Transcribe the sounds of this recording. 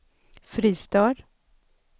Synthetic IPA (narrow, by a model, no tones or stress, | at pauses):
fɾiːst̪œːɾ